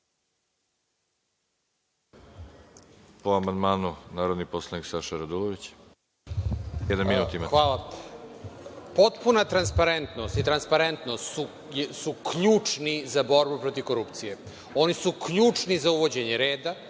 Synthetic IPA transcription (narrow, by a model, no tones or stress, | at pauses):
poamand̪maːnunaːɾod̪niposlˠaniksaʃaɾad̪ulˠoʋit͡ɕ | jɛd̪nanminuːt̪imaxʋaːlˠa | po̞t̪punat̪ɾanspaɾent̪nost̪it̪ɾanspaɾent̪no̞st̪su | jsukʎuːt͡ʂnizabo̞ɾbupɾo̞t̪iʋko̞ɾupt̪sije | o̞nisukʎuːt͡ʂnizauʋo̞d͡ʑeɲeɾeːd̪a